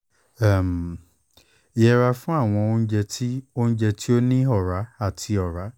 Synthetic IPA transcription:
a˨m˨ | i˨jɛ˧ɾa˧fũ˦a˦˨w̃ɔ̃˧o˦ñ̩˦d͡ʒɛ˧ti˦o˦ñ̩˦d͡ʒɛ˧ti˦o˦nĩ˦ɔ˦˨ɾa˨˦a˦˨tʰi˧ɔ˨ɾa˨˦

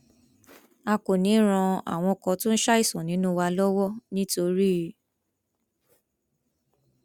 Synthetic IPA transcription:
a˧ko˨nĩ˨˦ɾ̃ã˧a̰˨w̃ɔ̃˧kɔ̃˧tũ˦n̩˦ʃa˦i˦˨sɔ̃˨nĩ˨˦nũ˦wa˧lɔ˦wɔ˦nĩ˦to˧ɾi˦˨

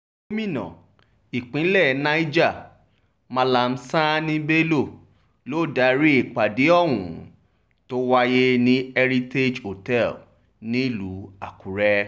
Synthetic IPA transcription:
e˦mĩ˦˨nã̰˨ | i˨k͡pĩ˨˦lɛ˦˨nã˦i˦d͡ʒa˦˨ | mã˧la˧˨n̩˦sa˦nĩ˦be˦lo˦˨ | lo˦˨da˨˦ɾi˦i˦˨k͡pa˨di˨˦ɔ˦˨wṵ̃˨ | to˦wa˦je˦nĩ˦ɛ˦ɾi˦te˦d͡ʒo˨tɛ˦˨l | nĩ˦i˦˨lu˨˦a˨ku˨ɾɛ˦

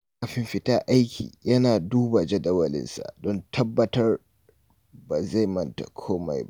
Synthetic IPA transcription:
a˨ɸɪ˦mɸɪ˦ta˦ʔa˦jkʲʰḭː˨jɐ˦naː˨duː˦ba˨d͡ʒɐ˦dɐ˦wɐ˨lɪ̰˦nsa̰˨dɔ˦ntʰɐ˦bːɐ˦tɐ˦r | ba˨za˦˨jmɐ˦nta̰˨kʷʰoː˦ma̰˨jbʔ

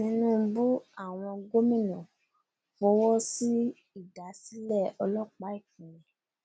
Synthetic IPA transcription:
nĩ˧˦nũ˦˨˧bu˦a˦˨w̃ɔ̃˧ɡo˦mĩ˦˨nũ˨ | wɔ˧˦wɔ˦si˦ | i˦˨da˨˦si˦lɛ˦˨ɔ˧lɔ˦k͡pa˨˦i˦˨k̚ũ˨jɛ̃˨

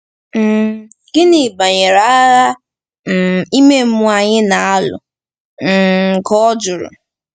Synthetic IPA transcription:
m̩˨ | ɡɪ˦nɪ˨ba˨ɲe˨ɾa˦a˦ | m̩˦˨i˦me˦mʊ˦a˨ɲɪ˦na˨a˦lʊ̰˨ | ŋ̩˨kɔ˦ɔ˦d͡ʒʊ˨ɾʊ̰˨

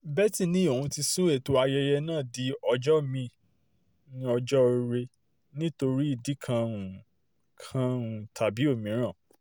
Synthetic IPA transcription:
bɛ˦tĩ˧nĩ˦o˨ũ˨˧ti˧sũ˦e˦˨to˨˧a˧jɛ˧jɛ˧nãː˦˨di˨˦ɔ˧d͡ʒɔ˦mĩ˧ | nĩ˦ɔ˧d͡ʒɔ˦˧ɾe˧ | nĩ˦to˧ɾi˦i˦˨di˨˦kʰã˧ũ˨ | kʰã˦ũ˨tʰa˨bi˦o˦˨mĩ˨˦ɾ̃ã˦˨

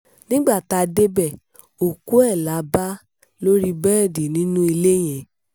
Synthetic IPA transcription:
nĩ˦ɡ͡ba˦˨ta˧de˦bɛ˦˨ | o˨ku˨˦ɛ˦˨la˨˦ba˦ | lo˦ɾi˦bɛ˦˨di˨nĩ˦nũ˦i˧le˦j̃ɛ̃˨˦

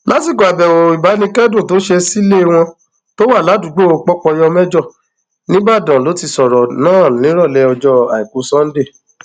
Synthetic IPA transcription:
la˨˦ti˦˨ka˨bɛ˨wo˨i˨ba˨˦nĩ˧kɛ˦dõ˦˨to˨˦ʃe˧si˦le˦˧w̃ɔ̃˧ | to˦wa˦˨la˨˦du˨˦ɡ͡bo˦o˨˧k͡pɔ˦k͡pɔ˧jɔ˧mɛ˦d͡ʒɔ˦˨ | nĩ˦ba˦˨dã˨lo˨˦ti˧sɔ˨ɾɔ˨nãː˦˨lĩ˨˦ɾɔ˦˨lɛ˧ɔ˧d͡ʒɔ˧a˨i˨ku˨˦sã˦n̩˦de˦˨

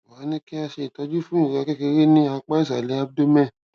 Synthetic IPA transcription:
a˨˦nĩ˦ki˦a˧ʃe˧˨tɔ˨˧˦d͡ʒu˦fũ˦ĩ˦˨ɾɛ˧kɛ˦ke˧ɾe˦nĩ˦a˧k͡pa˦i˦˨s̬a˨lɛ˨˦a˧b̚do˦mɛ̃˦˨

